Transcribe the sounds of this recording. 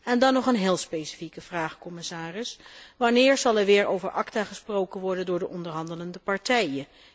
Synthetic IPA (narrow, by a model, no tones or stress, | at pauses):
ɛndɑnːɔχənɦɪːlˠspejsi̥fikəv̥raːχkɔmɪsaːrɪsʋɑnɪːɹz̥ɑlˠɛɹʋɪːɹo̰wvəɹʔɑktaːχəsprowkənʋɔɹdəndʊːɹdəʔɔndəɹɦɑndələndəpɑɹtɛjə